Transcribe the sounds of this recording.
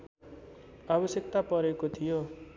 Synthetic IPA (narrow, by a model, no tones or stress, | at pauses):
abʌsjʌkt̪apʌɾekot̪ʰijo